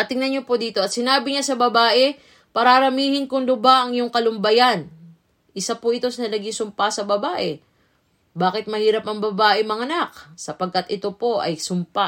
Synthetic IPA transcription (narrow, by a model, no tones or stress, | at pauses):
ɐt̪ɪŋnɐnɲopod̪iːt̪o̞ʔɐt̪̚sɪnaːbɪɲasɐbɐbaːʔɛ | pɐɾaɾɐmiːhɪnkʊŋd̪ʊbaʔɐŋjoŋkɐlʊmbɐjan | ʔɪsapʊʔɪt̪o̞snɐlɐɡɪŋsʊmpasɐbɐbaːʔɛ | baːkɪt̪̚mɐhiːɾɐpɐŋbɐbaːʔɛmɐŋɐnak̚sɐpɐɡ̚kɐt̪ʔɪt̪o̞po̞ʔɐ̰jsʊmpa